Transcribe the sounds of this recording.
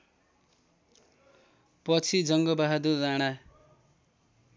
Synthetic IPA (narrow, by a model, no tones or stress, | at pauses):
pʌt͡sʰid͡zʌŋɡʌbaɦad̪ud͡zaɽ̃a